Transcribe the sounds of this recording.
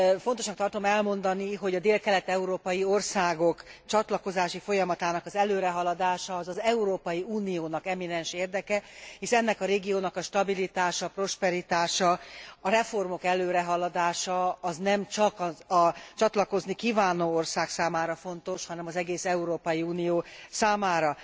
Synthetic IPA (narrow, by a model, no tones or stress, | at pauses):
fo̞nt̪o̞ʃnɒk̚t̪ɒrt̪o̞mɛlmo̞nd̪ɒniɦo̞ɟɒd̪eːlkɛlɛt̪ɛuɾoːpɒjio̞rsaːɡo̞kt͡ʃɒt̪lɒko̞zaːʃifo̞jɒmɒt̪aːnɒkɒzɛløːɾɛɦɒlɒd̪aːʃɒːzɒzɛuɾoːpɒjiuːnijoːnɒkɛmːinɛnʃeːrd̪ɛkɛhiʃɛnːɛkɒɾeːɡijoːnɒkɒʃt̪ɒbilit̪aːʃɒpro̞ʃpɛɾit̪aːʃɒɒɾɛfo̞rmo̞kɛløːɾɛɦɒlɒd̪aːʃɒːznɛmt͡ʃɒkɒɒt͡ʃɒt̪lɒko̞znikiːvaːnoːorsaːksaːmaːɾɒfo̞nt̪o̞ʃhɒnɛmɒzɛɡeːsɛuɾoːpɒjiuːnijoːsaːmaːɾɒ